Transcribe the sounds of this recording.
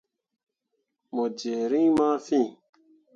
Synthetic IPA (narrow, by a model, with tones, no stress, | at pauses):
mo˨d͡ʒe˨ɾĩ˦mã˦fĩ˦˨